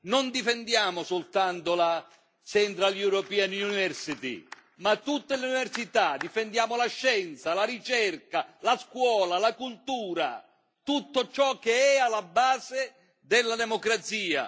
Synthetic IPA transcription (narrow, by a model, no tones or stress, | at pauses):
nond̪ifend̪jaːmʊsʊlt̪ant̪ola | t͡ʃɛnt̪ɾaljuɾɔpɛːanunivɛrsit̪ḭ | mat̪ːut̪ːeleunivɛrsit̪ad̪ifɛnd̪jaːmolaʃːɛnt̪salaɾit͡ʃɛrkalaskwɔːlalakult̪uːɾa̰ | t̪ut̪ːot͡ʃɔk̟ːeɛalːabːaːze | d̪ɪlːad̪ɛmokɾat̪siːa̰